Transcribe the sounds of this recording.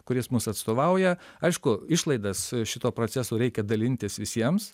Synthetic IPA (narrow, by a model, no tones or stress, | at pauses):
kʊɾʲɪsmʊsɐt̪st̪oːʋɐʊjɛ | ɐɪʃkʊɪʃlˠɐɪd̪ɐsʃʲɪt̪oːpɾoːt͡ssʲæsoːɾʲɛɪkʲɛd̪ɐlʲɪnʲt̪ʲɪsʋʲɪsʲiɛms